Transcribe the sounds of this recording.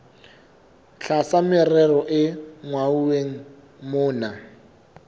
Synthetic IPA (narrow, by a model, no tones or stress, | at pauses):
ɬʰasamɪrɛrɔʔɪŋwauweŋ̩ | mʊːna